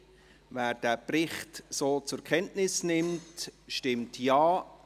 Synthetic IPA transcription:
væːɾd̥æːprɪχtsoːt͡sʊɾkʰɛntnɪsnɪmtʃtɪmtjaː

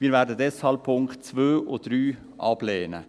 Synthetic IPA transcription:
miːɾvɛːɾdədɛshɑlp̚pʰːʊŋkt̚t͡svøːʔod̥ɾyː | ʔɑblɛːnə̰

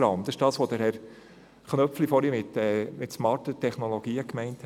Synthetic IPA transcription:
ɾɑmd̥̪ɑɪ̥ʃd̥ɑːsʋod̥̪əɾhɛɾ | χnœpflifɔɾimɪt̪ɛmɪtsmɑːɾtətʰɛχnolɔɡ̥iːəkmɛɪntʰ

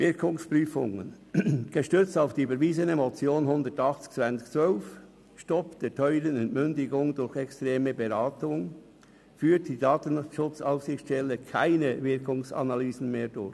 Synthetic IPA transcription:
vɪɾkʰʊŋspʁyːfʊ̰ŋə̰n | ɡ̥əʃtʏt͡staʊfd̥iːyːbəɾviːzənəmot͡sjoːnhʊndətɑχt͡st͡svant͡st͡svœlf | ʃtɔpd̥eːtʰœʏɾənɛntmʏndɪɡʊŋdʊɾçɛkstʁeːməbeʁaːtʊŋ | fyːt̚d̥iːdɑːtn̩ʃʊt͡saʊfsɪçʃtɛləkʰaɪnəvɪɾkʊŋsɑ̰nalyːzən̩meːdʊɹç

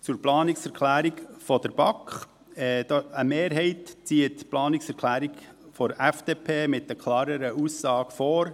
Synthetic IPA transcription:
t͡sʊɾplɑːnɪksɛɾkʰlæːɾiɡfɔd̥əɾb̥ɑkχ | ɛd̥ɑəmeːɾɦɛɪtt͡siːətplɑːnɪksɛɾkʰlæːɾiɡ | fɔɾɛfd̥eːpʰeːmɪtːəkʰlɑːɾəɾəusːɑːɡ̥foːɾ

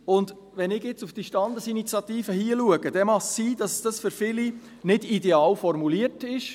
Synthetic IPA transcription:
ʊnd | ʋɛnɪɡjɪt͡sufd̥iʃtɑnd̪əsinit͡sjɑt̪iːfəhiːəluəɡəd̥ɛmɑχsiːd̥ɑssd̥ɑsfʏɾfɪli | nɪdidɛɑːlfɔɾmuliəɾtɪʃ

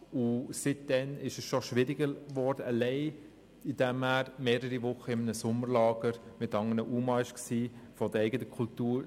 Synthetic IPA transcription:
usɪt̚d̥ɛnɪʃəsʃɔʃʋɪɾiɡəɾʋɔɾdəəlɛɪ | id̥æmhæːɾmeːɾəɾiʋʊχːəɪmənəsʊməɾlɑːɡ̥əɾmɪtɑŋənəʔuːmɑɪʃksiːfɔd̪əɾɛɪɡətəkʰultuːɾ

